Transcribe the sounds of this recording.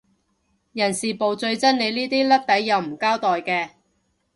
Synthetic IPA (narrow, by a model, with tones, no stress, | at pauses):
jɐ˨˩nsiː˨˩po˨˧wt͡sɵ˧ɥt͡sɐ˥nne˨˧jliː˥t̪iː˥lɐ˥p̚t̪ɐ˨˥jːɐ˨˧wm̩˨˩kaː˥wt̪ɔː˨jkɛː˧